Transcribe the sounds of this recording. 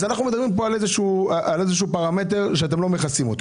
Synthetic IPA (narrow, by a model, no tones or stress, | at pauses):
zanaχnume̞d̪abʁimp̬o̞alezeʃuːʔale̞zeʃ̬uːpaʁame̞t̬e̞ʁʃeat̬emlo̞me̞χasimo̞t̪o